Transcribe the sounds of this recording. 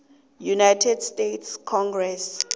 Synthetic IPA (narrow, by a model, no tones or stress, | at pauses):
junajtʰɛdstetʰskʰɔŋɡrɛs